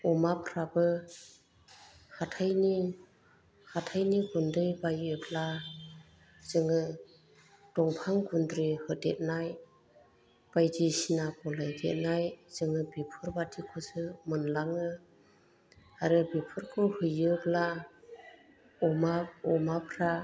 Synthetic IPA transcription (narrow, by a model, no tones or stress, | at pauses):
ɔmapʰɾabɯ | hatʰajni | hatʰajniɡundɾijbajɯpla | z̥ɯŋɯ | d̥ɔŋpʰaŋɡundɾihɯdet̚naj | b̥ajdisinakɔlajdḛt̚najz̥ɯŋɯbipʰɯɾbatʰikʰɔsɯmɯnlaŋɯ | aɾɯbipʰɯɾkʰɔhɯjɯpla | ɔmaɔmapʰɾa